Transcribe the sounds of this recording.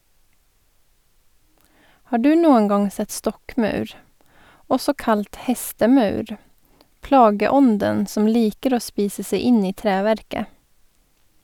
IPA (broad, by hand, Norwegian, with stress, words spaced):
ˈhɑː ˈɖʉː ˈnuːəŋ ˈɡɑŋ ˈsɛt ˈstɔkˌmɑʉɾ ˈɔsɔ ˈkɑlt ˈhɛstəˌmɑʉɾ ˈplɑːɡəˌɔndən ˈsɔm ˈliːkəɾ ˈoː ˈspiːsə ˈseɪ ˈɪn ˈiː ˈtɾeːˌʋæɾkə